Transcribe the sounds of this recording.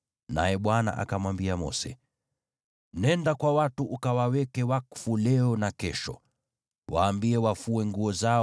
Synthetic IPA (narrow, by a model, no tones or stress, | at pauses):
na̰jɛɓwana̰ʔa̰kamwambiamɔ̰sɛ | nɛndakwawatuʔukawawɛkɛwakfulɛɔnakɛʃɔ | waːmbiɛwafuɛŋɡuɔza